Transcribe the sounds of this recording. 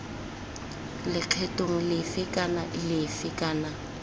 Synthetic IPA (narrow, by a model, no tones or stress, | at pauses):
lɪq͡χʰɛtʼoŋ̩lɪfɪkʼanaʔɪlɪfɪkʼaːna